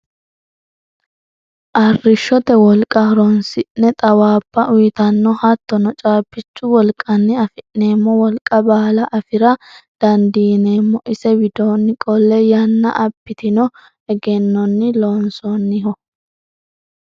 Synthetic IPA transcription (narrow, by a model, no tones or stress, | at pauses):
ʔɐrːɪʃːɔt̪ɛwɔlkʼɐɾɔnsɪnːɛt̪ʼɐwaːbːɐʔʊjt̪ɐnːɔhɐt̪ːɔnɔt͡ʃʼaːpːɪt͡ʃːʊwɔlkʼɐnːɪɐfɪʔːe̞ːmːɔwɔlkʼɐbaːlɐʔɐfɪɾɐd̪̥ɐnd̪iːneːmːɔʔɪsɛbɪd̪oːnːɪkʼɔlːɛjɐnːɐ̰ʔɐbːɪt̪ɪnɔ | ɛɡɛnːɔnːɪlo̞ːnsɔnːɪɦɔ